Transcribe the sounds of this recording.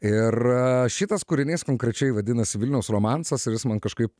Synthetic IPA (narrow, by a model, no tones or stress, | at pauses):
ɪrʃʲɪt̪ɐskuɾʲɪnʲeːskoːŋkɾʲɛt͡ʃʲɛɪʋɐd̪ʲɪnɐsʲɪʋʲɪlʲnʲɛʊsroːmɑnsɐsɪʋʲɪsmɐnkɐʃkɐɪp